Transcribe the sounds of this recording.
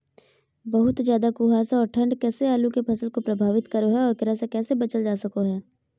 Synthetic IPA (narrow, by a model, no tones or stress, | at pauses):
bɐɦʊt̪zjaːd̪akuːɦaːsɔːɾʈʰɐ̃ɳɖkɛːseaːlũkepʰɐsəlkopɾɐbʱaːʋɪt̪kɐɾoɦɛɔːɾkɪɾasekɛːsebɐt͡ʃəld͡ʒaːsɐkoɦɛː